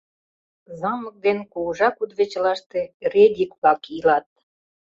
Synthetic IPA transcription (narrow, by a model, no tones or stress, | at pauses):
zɑmək̚d̪enkuʒɑkud̪βet͡ɕlɑʃt̪ered̪ʲikpɑkilɑt̪̚